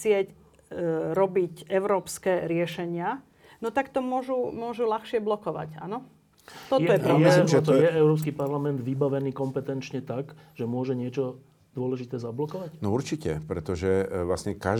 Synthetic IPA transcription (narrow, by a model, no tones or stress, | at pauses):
t͡sɪɛc | ɾɔbicɛʊɾɔːpskɛːɾɪɛʃɛɲɪa | nɔt̪akt̪ɔmʊɔʒumʊɔʒulaxʃɪɛblɔkɔʋa̰ca̰nɔ | t̪ɔtj̪ɔjɛpɾɔjiʒɛt̪ɔjɛɛʊɾɔːps̬kipaɾlamɛnd̪ʋibaʋɛniːkɔmpɛt̪ɛnt͡ʃɲɛt̪aɡ | ʒ̥ɛmʊɔʒɛɲɪɛt͡ʃɔ | d̪ʊɔlɛʒit̪ɛːzablɔkɔʋanɔuɾt͡ʃicɛ̰pɾɛt̪ɔʒɛʋlasɲɛka